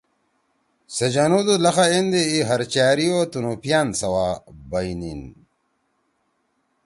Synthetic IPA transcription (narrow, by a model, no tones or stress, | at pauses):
sɐd͡ʑanud̪ulɐxaend̪eiɦɐɾt͡ɕaːɾiot̪unupijaːnsɐwaːbɐinin